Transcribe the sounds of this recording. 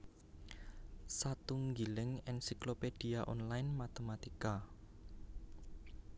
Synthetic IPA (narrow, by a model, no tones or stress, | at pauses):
sat̪uŋɡilɪŋɛnsikloped̥iaʔɔnlajnmat̪emat̪ika